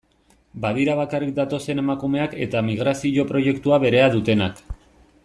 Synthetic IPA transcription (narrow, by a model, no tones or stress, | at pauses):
baðiɾaβ̞akarik̚d̪at̪o̞se̞ne̞makume̞ake̞̰t̪amiɣ̞ɾasiʝo̞pɾo̞ʝe̞kt̪uaβe̞ɾe̞aðut̪e̞nak